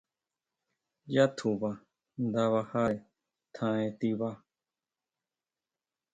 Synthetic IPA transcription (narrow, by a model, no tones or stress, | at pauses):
jat̪ʰuβa | nd̪aβahae | t̪ʰãẽt̪iβa